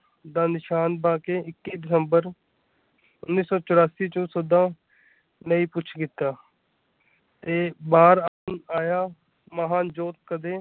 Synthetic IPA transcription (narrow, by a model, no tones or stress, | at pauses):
d̪aːnɪʃaːnbaːkeːɪkːiːd̪ɪsəmbəɾ | ʊnːiːsɔːt͡ʃʊɾaːsiːt͡ʃõːsod̪ãː | nəĩːpʊt͡ʃʰkɪt̪ːaː | t̪eːbaːɾaːənaːjaː | məɦaːnd͡ʒoːt̪̚kəd̪eː